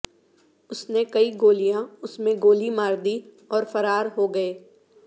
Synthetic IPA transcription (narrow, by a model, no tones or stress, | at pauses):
ʊsnekɐiɡoːlijãʊsmẽɡoːlimaːɾd̪i | ɔːɾfɐɾaːɾɦoɡɐeː